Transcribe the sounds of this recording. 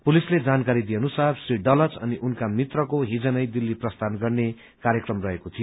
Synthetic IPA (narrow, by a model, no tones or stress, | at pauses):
pulisled͡zankaɾid̪ijenusabsriɖʌlʌt͡sʌ̰niʔunkamit̪rʌkoɦid͡zʌnʌjd̪ilːiprʌst̪ʰanɡʌrne | kaɾjʌkrʌmrʌɦekot̪ʰijo